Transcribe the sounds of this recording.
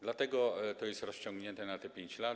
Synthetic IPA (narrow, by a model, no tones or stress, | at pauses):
d̪lat̪ɛɡɔt̪ɔjɛst̪ɾɔst͡ɕɔ̃ŋɡɲɛnt̪ɛnat̪ɛpʲjeɲt͡ɕla